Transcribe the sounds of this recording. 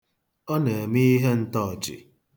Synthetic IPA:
ɔ˦ne˨e˨mi˦i˦ɦe˦n̩˦tɔ˦˨d͡ʒɪ̰˨

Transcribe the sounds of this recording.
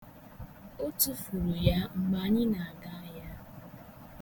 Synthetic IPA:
o˦tʊ˦fu˨ɾu˨ja˦ŋ͡m̩˨ɡ͡ba˨˦ɲɪ˦na˨a˨ɡa˦ja˦

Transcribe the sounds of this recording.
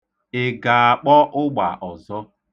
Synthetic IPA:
ɪ˨ɡa˨a˨k͡pɔ˦ʔʊ˦ɡ͡ba̰˨ʔɔ˨zɔ˦

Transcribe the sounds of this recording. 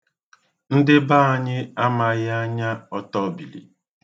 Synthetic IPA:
n̩˦dɪ˦ba˦a˦ɲɪ˦a˦ma˨ja˦ɲa˦ɔ˦tɔ˦˨bḭ˨lḭ˨

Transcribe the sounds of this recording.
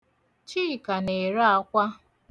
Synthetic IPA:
t͡ʃiː˦˨ka˨ne˨ɾa˦a˦kʷa˦

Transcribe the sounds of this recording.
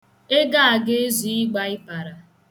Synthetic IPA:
e˦ɡa˦a˨ɡe˦e˦zi˨ɪ˦ɡ͡ba˨ɪ˦pa˨ɾa˨

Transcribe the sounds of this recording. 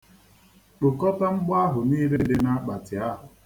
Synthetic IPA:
ɗʊ˨kɔ˦ta˦ŋ͡m̩˦ɡ͡ba˦ɦʊ˨niː˦le˦dɪ˦na˦k͡pa˨tɪ˨a˦ɦʊ˨

